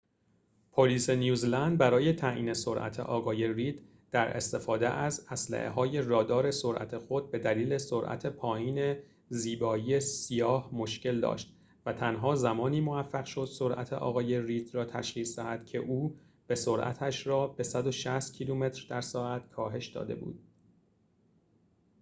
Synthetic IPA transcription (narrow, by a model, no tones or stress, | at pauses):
pʰoliːse̞njuːzlænd̪̚bæɾɒːje̞t̪ʰæʔḭːne̞so̞ɾʔæ̰t̪ʰḛʔɒːɣɒːje̞rid̪̥ | d̪̥æɾe̞̰st̪e̞fɒːd̪e̞ʔæzæslæ̰ʔḛɦɒːje̞rɒːd̪ɒːɾe̞so̞ɾʔæ̰t̪ʰe̞xot̪̚be̞d̪æliːle̞soɾʔæ̰t̪ʰe̞pʰɒːjiːne̞ | ziːbɒːije̞sijɒːhmo̞ʃce̞ld̪ɒ̰ːʃt̪ | væt̪ʰænɦɒːzæmɒːniːmo̞væfːæɣʃo̞d̪̥soɾʔæ̰t̪ʰeʔɒ̰ːɣɒːje̞riːd̪̥rɒːt̪ʰæʃʁiːsd̪æhæd̪̥cʰe̞̰ʔuː | b̥e̞soɾʔæ̰t̪ʰæʃɾɒːb̥e̞sæd̪o̞ʃæst̪̚cʰiluːme̞t̪ʰɾd̪æɾsɒːæt̪kʰɒːɦe̞ʃd̪ɒ̰ːd̪e̞̰bṵːd̪̥